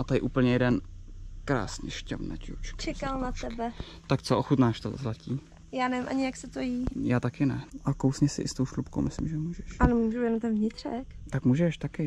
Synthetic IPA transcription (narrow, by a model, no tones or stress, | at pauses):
ʔat̪ajɪʔuːpl̩ɲɛjɛdɛnkɾa̰ːsɲɛ̰ʃca̰vnɛ̰t͡ʃṵt͡ʃt͡ʃɛkalnat̪ɛbɛ | t̪akt͡soʔoxut̪naːʃt̪o̰zlaciː | jaːnɛvɪmʔaɲɪjaksɛt̪ojijaːt̪akɪnɛʔakowsɲɛsɪ̰ʔɪst̪owʃlupkowmɪslɪ̰mʒɛmuːʒɛʃʔanomuʒujɛnomt̪ɛnvɲɪt̪r̥ɛkt̪akmuːʒɛʃt̪akɪ